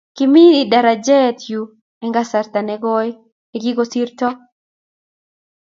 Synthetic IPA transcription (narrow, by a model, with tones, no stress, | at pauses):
kimi˦ida˨ɾa˨d͡ʒɛ˦t̪ju˨ | ɛ˨ŋɡa˦sa˨ɾt̪a˨nɛɡɔ | ɛɡi˦ɡosi˦ɾtɔ˦